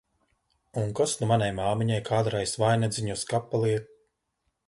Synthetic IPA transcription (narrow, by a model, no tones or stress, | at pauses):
unkasnumanʲajmaːmiɲajkʰaːd̪ɾajsvajnad̪ziɲuskapːalˠiɛ